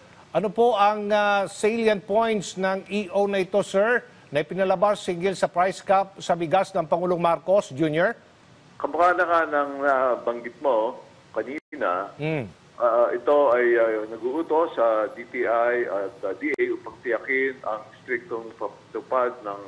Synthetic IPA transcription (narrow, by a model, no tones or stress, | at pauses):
ʔɐnopo̞ʔɐŋɐsejljɐnt̪̚po̞jnt̪snɐŋʔiʔownɐɪt̪o̞sɛɹ | nɐɪpɪnɐlɐbasːɪŋɡɪlsɐpɹajskap̚sɐbɪɡasnɐŋpɐŋuːloŋmaɾko̞sd͡ʒunjoɹ | kɐmʊkaːnɐŋanɐŋnabɐŋɡɪt̪̚mo̞ | kɐniːnɐm̩ | ʔaʔɛt̪o̞ʔɐjanɐɡuːʔut̪o̞sɐd̪it̪iʔajɐt̪̚d̪iʔɛjʊpɐɡ̚t̪ɪjɐkɪnɐŋst̪ɾɪk̚t̪oŋpɐpt̪ʊpad̪̚nɐŋ